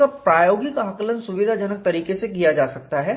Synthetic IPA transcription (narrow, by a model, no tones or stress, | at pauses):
apɾaːjoːɡɪkaːklənsʊʋɪd̪ʱad͡ʒənək̚t̪ɐɾiːkesekijad͡ʒaːsɐk̚t̪aɦɛː